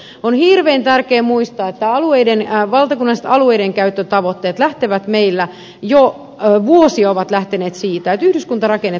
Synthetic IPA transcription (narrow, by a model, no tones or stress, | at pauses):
onhiːrʋeːnt̪ærkeːmuist̪ɑːet̪ːæɑlueidenʋɑlt̪ɑkunːɑse̥t̪ɑlueideŋkæyt̪ːøt̪ɑʋot̪ːeːt̪læht̪eʋæt̪meilːæ | jo | ʋuosiɑoʋɑt̪læht̪eneːt̪siːt̪æet̪yhdyskunt̪ɑrɑkenːe